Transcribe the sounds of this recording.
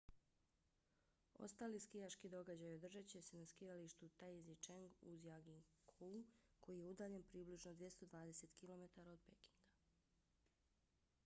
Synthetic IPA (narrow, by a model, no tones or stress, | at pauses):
o̞̰st̪aːliːskijaʃkid̪o̞ɡad͡ʑajod̪r̩ʒat͡ɕe̞se̞naskijaliʃt̪ut̪ajzit͡ʃeŋɡuzjaɡiŋkʰukʰo̞jije̞ud̪aːʎe̞npɾiːbliʒnod̪ʋje̞st̪od̪ʋaːd̪e̞se̞t̪kilˠo̞me̞t̪aɾao̞d̪pe̞ki̥ŋɡa